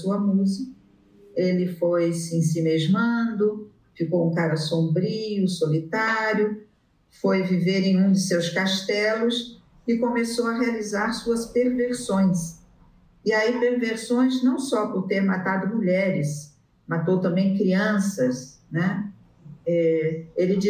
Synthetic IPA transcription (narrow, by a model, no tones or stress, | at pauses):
suɐmuzikɐ | elɪfojsɪĩsimeʒmɐ̃nd̪ʊ | fikowũkaɾɐsõbɾiʊsolit̪aɾjʊ | fojviveɾẽj̃ũd̪ʊsewskaʃt̪ɛlʊs | ɪkõmesowɐɦealizaɾsuɐspeɾveɾsõj̃s | ɪaipeɾveɾsõj̃znɐ̃w̃sɔpʊɾt̪eɾmat̪ad̪ʊmuʎɛɾɪs | mat̪owt̪ɐ̃mbẽj̃kɾiɐ̃sɐs | nɛ | ɛelɪd͡ʒi